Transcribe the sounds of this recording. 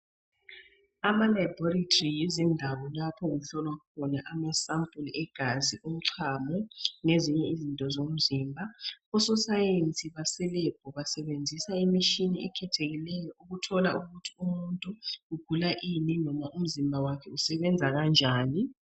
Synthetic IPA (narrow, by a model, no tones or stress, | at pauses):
amalajbɔritʰrijizindʱaβɔlapʰɔɣuɬɔlwakʰɔnaʔamasampʼulɛɡ̥ʱaziʔum̩ǀʰamɔneziɲɛizintʼɔzom̩ziːmbʱaɔsɔsajent͡sʼiβasɛlɛb̥̚ʱɔβasɛɓend͡zʱisaimiʃiniɛkʰɛtʰeɣilɛjɔʔuɣutʰɔla̰ʔuɣutʰi̥umuntʼuuɡ̥ʱulaʔininɔmaʔum̩zimbʱawakʰɛusɛɓɛnd͡zʱaɣand͡ʒʱaːni